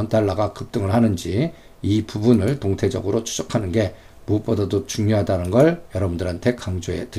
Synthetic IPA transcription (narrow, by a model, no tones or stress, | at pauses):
ʌntaɭːaɡakɯp̚t͈ɯŋɯɭɦanɯnd͡ʑi | ipubunɯɭtoŋtʰe̞d͡ʑʌ̰ɡɯɾot͡ɕʰu̥d͡ʑʌkʰanɯnɡe̞ | mop͈̚odadot͡ɕuŋjoɦadanɯnɡʌɭjʌɾʌbundɯɾɦantʰe̞kaŋd͡ʑoe̞̰tɯ